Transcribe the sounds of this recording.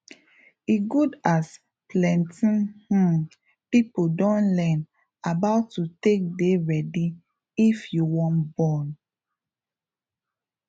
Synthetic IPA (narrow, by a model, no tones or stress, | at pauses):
iɡudas | plɛ̃ntĩnh̩ | pipodɔ̃nlɛn | abaʊtːutek̚deɹɛdi | ifjuwɔ̃nbɔn